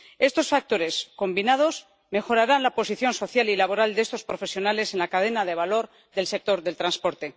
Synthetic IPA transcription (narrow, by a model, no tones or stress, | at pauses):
e̞st̪o̞sfak̚t̪o̞ɾe̞sko̞mbinað̞o̞s | me̞xo̞ɾaɾanlapo̞siθjo̞nso̞θjalilaβ̞o̞ɾald̪eest̪o̞spɾo̞fe̞sjonale̞se̞nlakaðe̞naðe̞β̞alo̞ɾ | ðe̞lse̞k̚t̪o̞ɾðe̞lt̪ɾanspo̞ɾt̪e̞